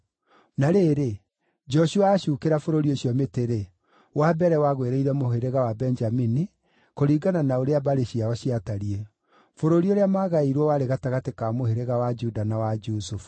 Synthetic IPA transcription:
naɾeɾe | d͡ʒɔʃuaːɕuːkeɾafoɾoɾioɕjɔmeteɾe | wabɛɾɛwaɣweɾɛiɾɛmoɦeɾeɣawabɛnd͡ʒamini | koɾiːɡananaoɾeabaɾeɕiaɔɕiataɾiɛ | foɾoɾioɾeamaːɣaiɾwɔwaɾeɣataɣatekamoheɾeɣawad͡ʒudanawad͡ʒusufu̥

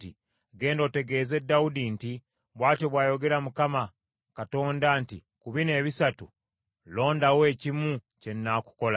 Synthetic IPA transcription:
ti | ɡe̞ːndo̞ːte̞ɡe̞ːze̞dːawudinti | βwaːteβwaːjo̞ɡe̞ɾamukama | kato̞ːndanti | kuβine̞ːβisatu | lo̞ːndawe̞ːcimu | ce̞nːaku̥ko̞la

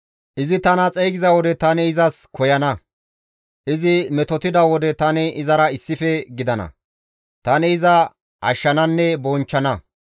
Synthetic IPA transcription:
ʔɪzɪt̪ɐnɐt͡sʼɛjɡɪzɐwɔd̪ɛt̪ɐnɛɪzɐskʰɔjɐnɐ | ʔɪzɪmɛt̪ɔt̪ɪd̪ɐwɔd̪ɛt̪ɐnɛɪzɐɾɐɪsːɪfɛɡɪd̪ɐnɐ̰ | t̪ɐnɛɪzɐ | ɐ̰ʃːɐnɐnːɛbɔnt͡ʃːɐnɐ

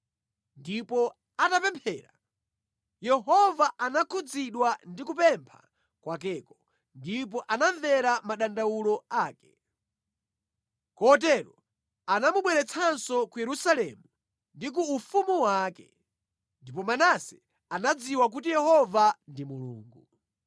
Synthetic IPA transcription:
ndipɔ | atapɛmpʰɛːɾa̰ | jɛɦɔvaʔanakʰud͡ziɗwandikupɛmpʰa̰ | kwakɛːkɔ | ndip̬ɔʔananðɛɾamaɗandawulɔaːkɛ̥ | kɔt̬ɛɾɔ | anamuɓwɛɾɛt͡sʰansɔkujɛɾusalɛmu | ndik̬uːfumuwaːkɛ | ndipɔmanasɛ | anad͡ziwak̬utijɛhɔvandimulṵːŋɡu

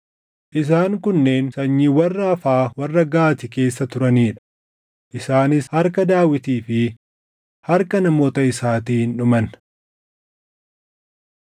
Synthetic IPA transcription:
ʔɪs̬aːŋkʊnːeːnsɐɲːiːwɐrːɐɐfaːwɐrːɐɡaːt̪ɪke̞ːsːɐt̪ʊɾɐniːᶑɐ̥ | ʔɪsaːnɪshɐɾkɐd̪aːwɪt̪iːfɪ | hɐɾkɐnɐmo̞ːt̪ɐɪsaːt̪iːhɪnᶑʊmɐn

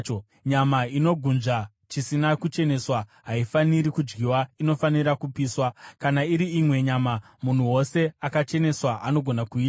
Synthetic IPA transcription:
ɲamaino̞ɡʱunʐa | t͡ʃisinakut͡ʃe̞ne̞swaɦaifaniɾikud͡ʒɡiwaino̞faniɾakupiːswakanaiɾiimwe̞ɲaːma | mun̤uwo̞se̞akat͡ʃe̞ne̞swaʔano̞ɡʱo̞nakuiːa

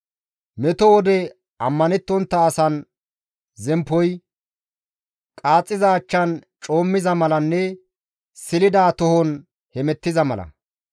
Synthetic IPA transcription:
mɛt̪ɔwɔd̪ɛ | ɐmːɐnɛt̪ːɔnt̪ːɐːsɐn | zɛmpːɔj | kʼaːt͡sʼːɪzaːt͡ʃːɐn | t͡ʃʼo̞ːmːɪzɐmɐlɐnːɛ | sɪlɪd̪aːt̪ɔhɔn | hɛmɛt̪ːɪzɐmɐlɐ̰

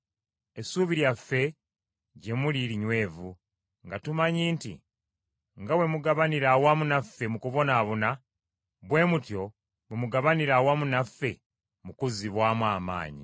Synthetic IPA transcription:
e̞suːβiɾjafːe̞ | ɟe̞muliɾiɲwe̞ːvu | ŋɡatumaɲiːntḭ | ŋɡawe̞muɡaβaniɾawamunafːe̞mukuβo̞naːβuna | βwe̞ːmutjo̞ | wemuɡaβaniɾawamunafːe̞ | mukuziβwaːmwaːma̰ːɲḭ

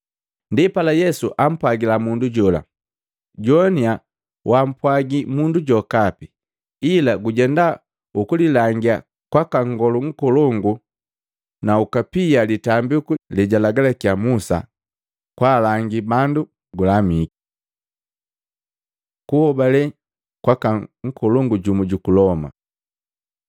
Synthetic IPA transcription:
ndipalajɛsuʔam̩pwaɡilamunduɟɔla̰ | ɟɔnia | wam̩pwaɡimunduɟɔkapi | ilaɡuɟɛnda | ukulilaŋɡia̰ | kwakaŋɡɔluŋ̩kɔlɔŋɡu | naukapijalitambikulɛɟalaɡalɛkiamusa̰ | kwaːlaŋɡibandu | ɡulamiki̥ | kuhɔbalɛ | kwakaŋ̩kɔlɔŋɡuɟumɔɟukulɔma̰

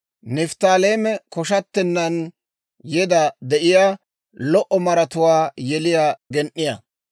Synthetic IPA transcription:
nɪft̪aːleːmɛkɔʃɐt̪ːɛnːɐn | jɛd̪ɐd̪ɛʔɪjaː | lɔʔɔmɐɾɐt̪ʊwaːjɛlɪjaːɡɛnʔːɪjɐ

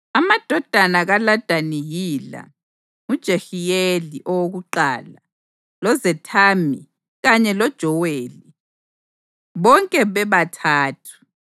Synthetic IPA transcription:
amad̥ʱɔd̥ʱanaɣalad̥ʱanijila̰ | ŋud̥ʒ̥ʱexijeliʔɔwoɣuǃa̰ːla | lɔzɛtʰami | ɣaɲɛlɔd̥ʒ̥ʱɔweːli | βɔŋkʼɛβɛβatʰaːtʰu̥

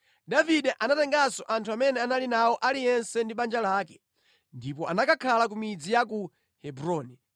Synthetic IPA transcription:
daviɗɛʔanatɛŋɡasɔʔantʰuamɛnɛanalinawɔʔalijɛnsɛndiɓand͡ʒalaːkɛ̥ | ndipɔʔanakakʰalak̬umid͡zijak̬u | hɛbɾɔːnɛ

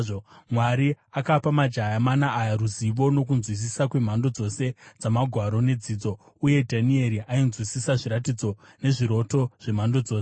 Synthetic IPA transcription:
omwaɾi | akapamad͡ʒajamanaʔːjaɾuziʋo̞no̞k̬unzwis̬isakwe̞m̤ando̞d͡zo̞se̞d͡zamaɡʱwaɾo̞ne̞d͡ziːd͡zo̞ | uje̞dʱanie̞ɾiʔainzwisisaʐiɾat̬id͡zo̞ | ne̞ʐiɾo̞to̞ʐ̥e̞m̤ando̞d͡zo̞ːse

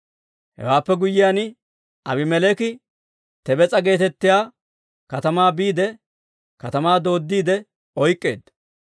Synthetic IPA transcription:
hɛ̰waːpːɛɡʊjːɪjaːnɪ | ɐbɪmɛlɛkɪ | t̪ɛbɛt͡sʼɐɡe̞ːt̪ɛt̪ːɪjaː | kɐt̪ɐmaːbiːd̪ɛ | kɐt̪ɐmaːd̪o̞ːd̪ːiːd̪ɛ | ɔjkʼːe̞̰ːd̪ɐ

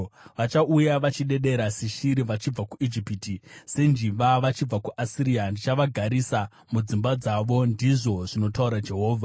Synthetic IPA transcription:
ʋat͡ʃaʔujaʋat͡ʃiɗe̞ɗe̞ɾasiʃiɾiʋat͡ʃib͡vakuʔid͡ʒipitise̞nd͡ʒiʋaʋat͡ʃib͡vakuʔasiɾijandit͡ʃaʋaɡʱaɾisa | mud͡zimbad͡zaʋo̞ndiʐo̞ʐino̞tauɾad͡ʒe̞ɦo̞ːvʱa

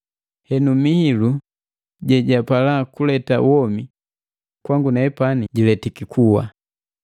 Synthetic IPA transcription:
hɛnumihilu | ɟɛɟapalakulɛtawɔmi | kwaŋɡunaɛpaniɟilɛtikikʰuwa̰

